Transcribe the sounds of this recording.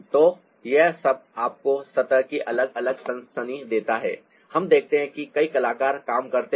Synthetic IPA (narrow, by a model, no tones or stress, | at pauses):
t̪oː | jɛɦsɐb̚aːp̚kosɐt̪əɾkiʔɐləɡɐləɡ̚sɐ̃nsənid̪eːt̪aɦɛ̰ː | hɐmd̪eːk̚ʰt̪eɦɛ̃kikɐikɐlaːkaːɾkaːmkɐɾt̪e